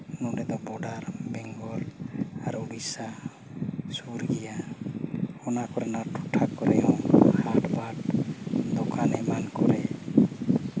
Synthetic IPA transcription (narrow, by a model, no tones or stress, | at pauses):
nuɖɛd̪ɔbɔɖaɾbɛŋɡɔlaɾubisa | suɾɡɛja | ɔnakɔɾɛnaʈuʈʰakɔɾɛɔŋhaʈbaʈd̪ɔkʰanɛmankɔɾɛ